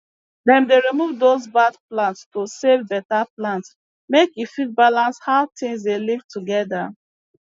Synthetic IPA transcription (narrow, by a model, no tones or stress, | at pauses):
dɛ̃mdeɹimuvdozbadplãntstosevbɛtaplãnts | mekifit̚balãnshaʊtĩŋs̬delivtuɡɛda